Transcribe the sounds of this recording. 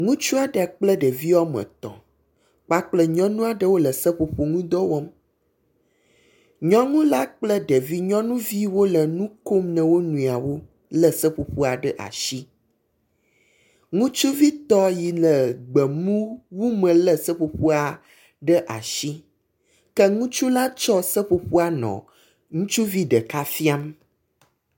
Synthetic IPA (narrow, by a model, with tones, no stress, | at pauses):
ŋũ˦t͡ʃu˦a˨ɖə˨k͡plə˦ɖə˨vi˦wɔ˦mɛ̰̃˨t̪ɔ̰̃˨ | k͡pa˦k͡plə˦ɲɔ̃˦nũ˦a˨ɖə˦wo˦lə˨sə˦ɸo˨ɸo˨ŋũ˦d̪ɔ˦wɔ˦m | ɲɔ̃˦ŋũ˦la˦k͡plə˦ɖə˨vi˦ɲɔ̃˦nũ˦vi˦wo˦lə˨nũ˦ko˦mnə̃˨wo˦nũ˨a˨wo˦ | lə˨sə˦ɸo˨ɸu˦a˨ɖə˦ʔa̰˨ʃi˦ | ŋũ˦t͡ʃu˦vi˦t̪ɔ˦ji˨lə˨ɡ͡bɛ˨mũ˦wu˦mə̃˨lə˨sə˦ɸo˨ɸu˦a˨ | ɖə˦ʔa̰˨ʃi˦ | kɛ˦ŋũ˦t͡ʃu˦la˦t͡ʃɔ˦sə˦ɸo˨ɸu˦a˨nɔ̰̃˨ | ŋũ˦t͡ʃu˦vi˦ɖə˨ka˦fi˦a˦m